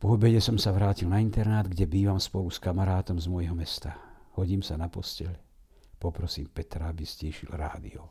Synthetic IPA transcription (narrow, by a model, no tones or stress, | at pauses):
pɔɔbɛɟɛsɔmsaʋɾaːcilnaint̪ɛɾnaːd̪ɡɟɛbiːʋamspɔluskamaɾaːt̪ɔmzmɔjɦɔmɛst̪a | hɔɟiːmsanapɔscɛl | pɔpɾɔsḭːmpɛt̪ɾaabizcɛːʃilɾa̰ːd̪ḭɔ